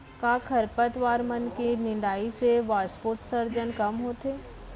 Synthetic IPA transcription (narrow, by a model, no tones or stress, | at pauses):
kaːkʰɐɾpət̪ʋaːɾmənkenɪ̃ɳɖ̪aːiseʋaːspoːt̪səɾd͡ʒənkɐmɦoːt̪eː